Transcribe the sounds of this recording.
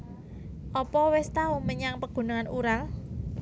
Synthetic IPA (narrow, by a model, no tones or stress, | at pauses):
ʔɔpɔwɛst̪auməɲaŋpəɡ̥ṳnaŋanuɾaŋ